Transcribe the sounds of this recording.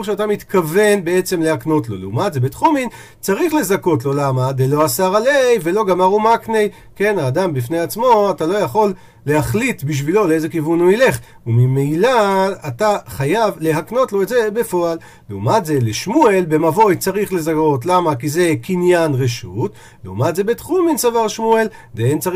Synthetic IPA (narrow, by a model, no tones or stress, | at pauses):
uʁʃeatamit̪kave̞nbe̞et͡se̞mle̞hakno̞tlo̞̰leumatzebetχomin | t͡saʁiχle̞zako̞tlo̞lamadelo̞asaʁalejve̞lo̞ɡamaʁumaknej | ke̞naːdambifne̞jat͡smo̞atalo̞jaχo̞lː | e̞haχlitbiʃ̬vilo̞leeze̞kivunuile̞χ | umimejlaataχajavle̞ɦakno̞tlo̞etzebe̞fo̞alː | eumatze̞leʃmuelbe̞mavo̞jt͡saʁiχle̞zako̞tlamakize̞kinjanʁeʃut | leumatze̞betχuminsavaʁʃmuel | d̪eent͡sa